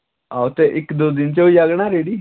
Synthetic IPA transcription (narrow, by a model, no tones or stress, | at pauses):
aut̪eʔɪkd̪oːd̪ɪnt͡ʃoiaːɡɽ̃aːɾeːɽiː